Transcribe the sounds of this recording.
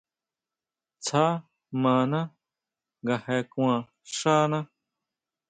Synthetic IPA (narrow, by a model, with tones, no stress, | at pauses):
t͡sʰaː˦ | mãː˨nã˦ | ɡa˨he˨˧kũã˨ | ʂaː˦nã˦